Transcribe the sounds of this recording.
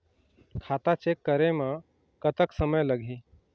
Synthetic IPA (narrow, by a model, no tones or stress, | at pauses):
kʰaːt̪at͡ʃekːəɾemã | kət̪əksəməjləɡʱĩ